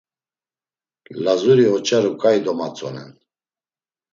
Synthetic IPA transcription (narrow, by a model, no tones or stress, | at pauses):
lazuɾiɔt͡ʃʰʼaɾukʼajd̪ɔmat͡sʼɔnɛ̰n